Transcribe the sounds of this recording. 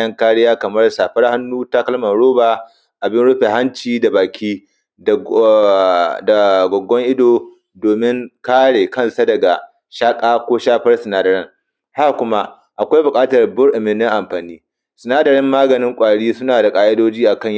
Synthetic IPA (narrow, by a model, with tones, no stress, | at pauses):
jɐ˦ŋkaː˦ɽɪ˦jaː˦kɐ˨mɐ˦rsaː˨ɸɐ˦rha˦nːuː˦ta˦kɐ˦lmɐ˨nɽoː˦baː˨ | ʔa˨bɪ˦nɽʊ˦ɸe˨ɦa˦nt͡ʃiː˦da˨baː˨kʲiː˦˨ | da˨ɡʷɔ˨ɡːɔ˦ŋʔɪ˦doː˨ | doː˨mɪ˦ŋkaː˦ɽeː˨kɐ˦nsa˦dɐ˨ɡa˨ | ʃaː˦kʼaː˦kʷoː˦ʃaː˦ɸɐ˦rsɪ˨naː˦dɐ˨ɾɪ˦ŋ | ha˦kʷʊ˦ma˦ʔ | ʔa˨kʷa˦jbʊ˨kʼaː˦tɐ˨rbʊ˦rʔɪ˨mɪ˨nɪ˦ŋʔa˨mɸaː˨niː˦ | sɪ˨naː˦dɐ˨ɾɪ˦mːaː˦ɡɐ˨nɪ˦ŋkʷʼaː˨ɽiː˦sʊ˦naː˨da˨kʼaː˨ʔɪ˦doː˦d͡ʒiː˦ʔa˨kɐ˦ɲj